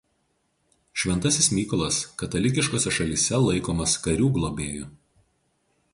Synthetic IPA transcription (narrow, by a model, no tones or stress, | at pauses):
ʃʲʋʲɛnt̪ɐsʲɪsmʲiːkɔlˠɐskɐt̪ɐlʲɪkʲɪʃkoːsʲɛʃɐlʲiːsʲɛlˠɐɪkoːmɐskɐɾʲuːɡlˠoːbʲeːjʊ